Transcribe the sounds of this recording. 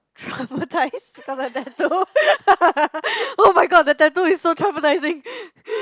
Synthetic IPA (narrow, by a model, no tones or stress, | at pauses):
tʰɹãpətʰaɪsbikɔsɔtɛto | omaɪɡɔd̚dətɛtuɪsotʰɹãpətaɪzɪ̃ŋ